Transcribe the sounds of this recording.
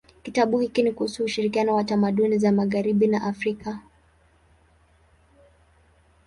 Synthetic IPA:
kitaɓuhikinikuhusuːʃiɾikianɔwatamaɗunizamaɣaɾiɓinaʔafɾika

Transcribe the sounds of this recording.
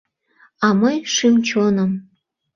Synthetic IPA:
ɑməjʃimt͡ɕonə̆m

